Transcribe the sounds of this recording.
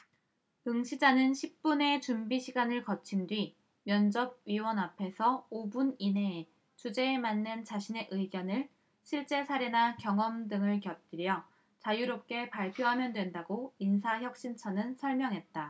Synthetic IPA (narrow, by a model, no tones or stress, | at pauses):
ɯŋɕʰid͡ʑanɯnɕʰip̚p͈une̞t͡ɕumbiɕʰiɡanɯɭkʌt͡ɕʰindwɥi | mjʌnd͡ʑʌb̚ɥiwʌnapʰe̞sʰʌobunine̞ | t͡ɕud͡ʑe̞ːmanːɯnt͡ɕaɕʰine̞ʔɯiɡjʌnɯɭ | ɕʰiɭt͡ɕ͈e̞sʰaɾe̞nakjʌŋʌmdɯŋɯɭkjʌt̚t͈iɾjʌ | t͡ɕajuɾop̚k͈e̞paɭpʰjoɦamjʌndwe̞ndaɡoinsʰaçjʌk̚ɕ͈int͡ɕʰʌnɯnsʰʌɭmjʌŋɦe̞t̚t͈a